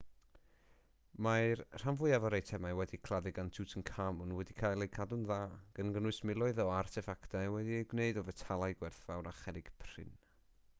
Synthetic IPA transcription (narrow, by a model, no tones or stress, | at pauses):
majrr̥amvʊɨjavɔɾejtʰɛmajwɛdikʰl̥ˠaðɪɡantʰutʰənkʰamʊnwɛdikʰaːjlˠejkʰadʊnðaːɡ̥ənɡənʊɨsmɪlˠɔɨðɔartʰɛfaktawɛdiejɡwneɨdɔvɛtʰalˠajɡwɛrθvawɾaχɛdɪɡ̥pʰrɪ̰n